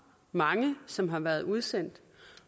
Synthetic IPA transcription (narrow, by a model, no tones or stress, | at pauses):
mɑ̈ŋəsɒ̽mɦɑ̈ʋæːɐð̞ˠuð̞ˠsen̰d̥